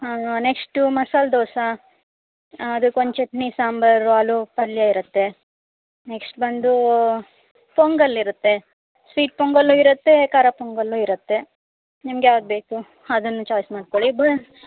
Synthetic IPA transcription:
aneksʈumɐsaːld̪ɔːsɐ | ɐd̪ukont͡ʃeʈnisaːmbɐɾalupɐlːjaiɾɐt̪ːe̞ | neksʈbɐnd̪u | poŋɡɐlːiɾut̪ːe̞ | sʋiːʈ̚poŋɡɐlːuːiɾɐt̪ːe̞kaːɾapoŋɡɐlːuːiɾɐt̪ːe̞ | nimɡjaːʋɐd̪̚be̞ːku | ɐd̪ɐnːut͡ʃaːjsmaːɖkoɭibɐ

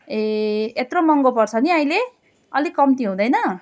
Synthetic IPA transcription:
eet̪rʌmʌŋɡopʌrt͡sʰʌniaĩle | ʌlikʌmt̪iɦũd̪ʌjnʌ

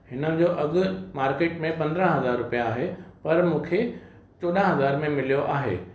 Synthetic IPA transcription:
hɪnənɪ̃̆d͡ʑoːʔɐɠʊ̆maːɾkeːʈmẽpɐ̃nd̪ɾə̃ɦɐzaːɾːʊpijaːɦepɐɾmũːkʰe | t͡ɕoːɗə̃ɦɐzaːɾmẽmɪlijoʔaːɦḛː

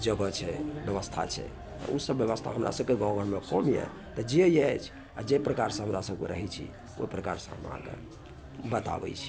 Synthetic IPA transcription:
d͡ʒəɡət͡ʃʰɛbjəβəst̪ʰa̰t͡ʃʰɛ̰ | ɔ̰usəbjəβəst̪ʰa̰ɦəmɾa̰səb̚keɡɔ̃ɡʱəɽmekɔmjɛ̰ | t̪ɔd͡ʒejɛjt͡ʃʰ | ad͡ʒepɾəkaɾsə̃ɦəmɾasəbkḛɾə̰ɦɛt͡ʃʰḭ | o̰ipɾəkaɾsə̃ɦəmã̰kḛ | bət̪a̰bɛ̰jt͡ʃʰi̥

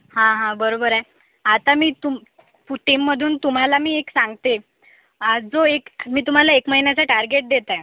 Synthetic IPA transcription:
hãɦãbəɾobəɾaj | at̪amiːt̪u | fuʈimːəd̪ʱuːnt̪um̤alamiːeksãŋɡt̪e | d͡zoekmiːt̪um̤alaekməɦinjat͡saʈaɾɡeʈ̚d̪et̪a

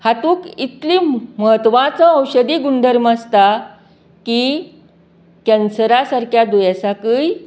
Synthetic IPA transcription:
hat̪uːkit̪liməɦət̪ʋãt͡səə̃wɕəd̪iːɡund̪ʱəɾmast̪a | kiː | kɛ̃nsəɾasaɾkjad̪ujasakəj

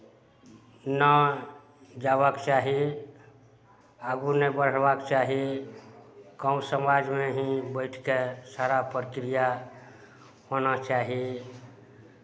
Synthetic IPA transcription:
nə | d͡ʒabəkt͡ʃaɦi | aɡunebəɾ̤bakt͡ʃaɦi | kəusəmad͡ʒmeɦĩbəɪʈʰkesaɾapɾkɾija | honat͡ʃaɦi

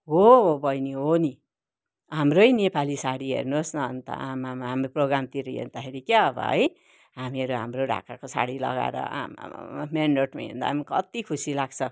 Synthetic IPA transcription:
ɦoobʌjniɦoni | ɦamrʌjnepalisaɽiɦḛrnosnʌʌnt̪a̰amamaɦamɾoproɡɾamt̪iɾijḛrd̪axʰeɾikaʌbʌ̰ɦʌ̰j | ɦamiʌɾuɦamroɖʱa̰kakosa̰ɽilʌ̰ɡa̰ḛɾʌ̰a̰m̰menɖoʈma̰ɦḛ̃nd̪a̰ɦmikʌ̰t̪ikʰusilaɡt͡sʰʌ

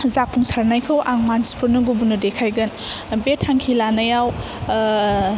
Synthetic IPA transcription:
zap̚ʰːuŋsaɾnajkʰɯwʔaŋmansi̥pʰuɾnɐɡubunɐdekʰajɡɐn | betʰːaŋkʰilanɐjaw

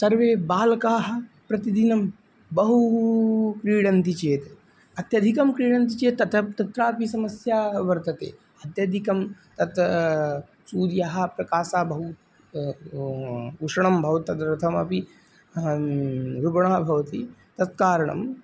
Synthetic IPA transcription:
sɐɾʋeːbaːlɐkaːɦɐ̆ | pɾɐt̪id̪inɐm | bɐɦu | kɾiːɽɐnt̪it͡ʃeːt̪ | ɐt̪jɐd̪ʱikɐmkɾiːɽɐnt̪̬it͡ʃeːt̪ɐt̪ʰɐt̪ɐt̪ɾaːpisɐmɐsjaːʋɐɾt̪ɐt̪ḛː | ɐt̪jɐd̪ʱikɐmt̪ɐt̪ɐ | suːɾjaɦɐ̆pɾɐkaːsaːbɐɦu | uʂɐɳɐmbʱɐʋɐt̪ɐd̪ɾɐt̪ʰɐmɐpi | ɾɪɡɐɳ̃aːbʱɐʋɐt̪it̪ɐt̪̚kaːɾɐɳɐ̰m

